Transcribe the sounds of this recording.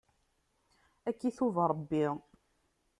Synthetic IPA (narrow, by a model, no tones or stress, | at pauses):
ækːiθuvɾˤəbːi